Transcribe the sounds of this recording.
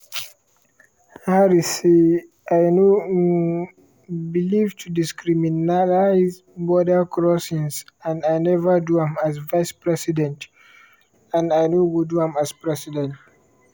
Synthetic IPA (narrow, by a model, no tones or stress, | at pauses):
haɾise | ʔajno | bilivtʰudiskɾiminalajz | bɔdəkɹɔsĩnsãnajnɛvəduhãmazvajspɹɛsidɛ̃nt | ãnajnoɡuduãmaspɹɛsidɛ̃nt